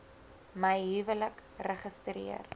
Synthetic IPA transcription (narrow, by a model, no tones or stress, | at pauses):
məjɦyvələkrəχəstrḭər